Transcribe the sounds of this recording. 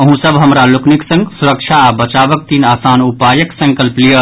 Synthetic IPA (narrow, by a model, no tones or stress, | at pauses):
əɦũsəbɦəmɾalʊkniksə̃ŋɡsuɾəkʃʰabət͡ʃaːʋək̚t̪iːnaːsaːnupaːjəksɐ̃ŋkəlplijə